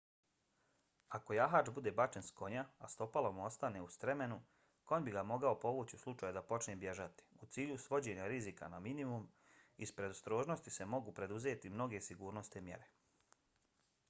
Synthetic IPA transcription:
ako̞jaɦaːt͡ʃbud̪e̞bat͡ʃe̞nsko̞ɲaast̪o̞palo̞mo̞st̪ane̞ust̪ɾe̞me̞nu | ko̞nbiɡamo̞ɡaopo̞ʋuːt͡ɕiuslˠut͡ʃaːjud̪apo̞t͡ʃnebje̞ʒat̪i̥ut̪siːʎusʋo̞d͡ʑe̞ɲaɾizika̰naminimum | ispɾe̞d̪ost̪ɾo̞ːʒnost̪ise̞mo̞ɡupɾe̞d̪uzeːt̪imno̞ɡe̞siɡuːɾno̞st̪emje̞̰ɾe̞

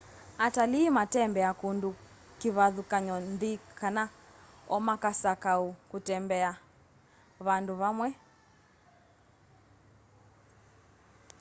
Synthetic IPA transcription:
ataliːmatɛmbɛakundu | kiβaðukaɲɔnðikana | ɔmakasakaukutɛmbɛa | βanduβamwɛ

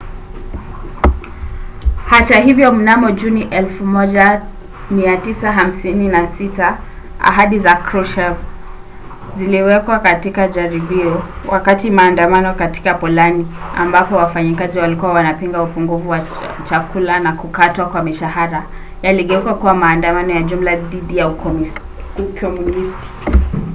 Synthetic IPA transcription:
hataɦivjɔm̩namɔʄuniʔɛlfumɔʄa | miatisaɦam̩sininasita | a̰ɦaɗizakɾuʃɛv | ziliwɛkwakatikaʄaɾiɓiɔwʔakatimaːndamanɔkati̥kapɔlania̰mbapɔwafaɲikaziwalikuwawanapiŋɡaupuŋɡufuwa | t͡ʃakulanakukatwakwamiʃaɦaɾa | jaliɠɛukwakuwamaːndamanɔjaʄum̩laðiɗija | kʰɔmunisti̥

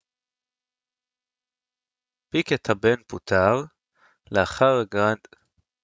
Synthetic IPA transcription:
piket̪habenput̪ʰaʁ | leaχaʁɡʁand̪̥

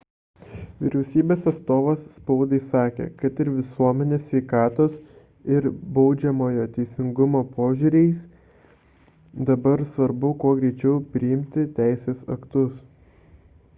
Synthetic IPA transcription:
ʋʲɪ̰ɾʲɛʊsʲiːbʲeːsɐt̪st̪oːʋɐsːpɐʊd̪ɐɪsɑːkʲḛːkɐt̪ɪɾʋʲɪsuɔmʲɛnʲeːsʲʋʲɛɪkɑːt̪oːs | ɪɾbɐʊd͡ʒʲɛmoːjoːt̪ʲɛɪsʲɪŋɡʊmoːpoːʒʲuːɾʲɛɪs | d̪ɐbɐɾsʋɐɾbʊkuɔɡɾʲɛɪt͡ʃʲɛʊpʲɾʲɪɪmʲt̪ʲɪt̪ʲæɪsʲeːsɐkt̪ʊs

